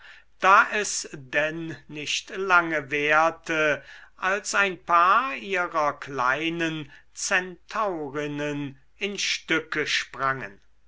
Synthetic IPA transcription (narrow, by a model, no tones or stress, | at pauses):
d̥aːʔɛsdɛnːɪʃtlaŋəveːɐtʰəʔalsaɪnpʰaːɐiːɐʁɐkla̰ɪnən | t͡sɛntʰaʊʁɪnən | ɪnʃtʏkəʃpʁaŋə̰n